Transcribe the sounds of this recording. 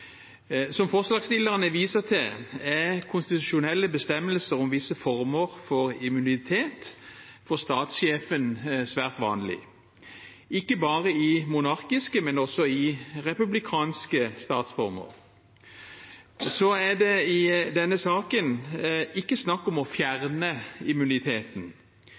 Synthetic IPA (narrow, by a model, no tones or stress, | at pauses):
sɔmfɔʁslɑːɡst̪ɪlːəʁənəʋiːsəʁt̪ʰɪlækʰʊnst̪ɪt̪ʉʃʊnɛlːəbəst̪ɛmːəlsəʁɔmʋɪsəfɔʁməʁfɔɾɪmʉnɪt̪ʰeːt̪fɔʁst̪ɑːt̪sʃeːfənsʋæːʁt̪ʋɑ̰ːnlɪ̰ | ɪkːəbɑːʁəɪmʊnɑʁkɪskəmɛnɔsɔɪʁɛpʉblɪkʰɑːnskəst̪ɑːt̪sfɔɾmə̰ʁ | sɔæd̪ɛɪd̪ɛnːəsɑːkənɪkːəsnɑkːɔmɔfjæʁnəɪmʉnɪt̪ʰeːt̪n̩